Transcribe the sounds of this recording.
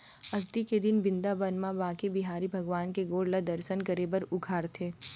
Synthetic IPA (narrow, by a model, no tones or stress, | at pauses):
ɐɡt̪iked̪ɪnbɪ̃nd̪abɐnmãbaːkebɪɦaːɾibʱɐɡʋaːnkeɡoːɽlad̪ɐɾʃənkɐɾeːbəɾʊɡʰʱaːɾt̪ʰeː